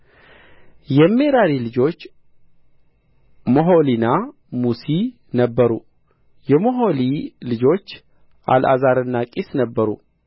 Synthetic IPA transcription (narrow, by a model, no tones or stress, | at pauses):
jɛme̞ɾaɾilɨd͡ʒo̞t͡ʃː | moɦo̞lina | musi | nəbːəɾṵ | jɛmoɦo̞lilɨd͡ʒo̞t͡ʃː | ʔa̰lʔa̰zaɾɨnːakʼisnəbːəɾṵ